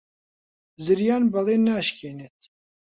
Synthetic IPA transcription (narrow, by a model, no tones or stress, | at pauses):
zɨɾjaːnbɐleːnaːʃkʰeːnet̪̚